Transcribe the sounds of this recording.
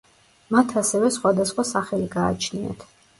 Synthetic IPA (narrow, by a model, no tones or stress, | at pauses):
mat̪ʰasɛvɛsχwad̪asχwasaχɛliɡa̰ːt͡ʃʰnia̰t̪ʰ